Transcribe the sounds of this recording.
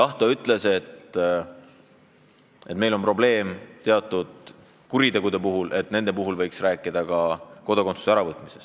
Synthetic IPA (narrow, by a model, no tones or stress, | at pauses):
ɑht̪ˑoyt̪ˑle̞se̞t̪ | e̞t̪me̞jlo̞mpro̞ble̞ːmt̪e̞ɑt̪ːˑud̪̥ | kuɾit̪e̞ɡ̥ud̪̥e̞puɦulʔe̞t̪ne̞nd̪̥e̞puɦulvɤjksræːkːˑid̪̥ɑkɑko̞d̪okosu̥seæɾɑvɤt̪ːˑmise̞s